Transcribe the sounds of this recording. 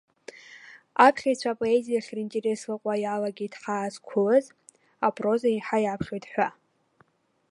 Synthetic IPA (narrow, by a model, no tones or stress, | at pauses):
apʰχʲajt͡ɕʷʰapʼo̞ezijaχʲrintʼe̞ɾe̞slɨqʷʼajalaɡʲiitʰħaːzkʷʰʊlɨz | apʼro̞zaiħajapʰχʲojtʰʼħᶣʷa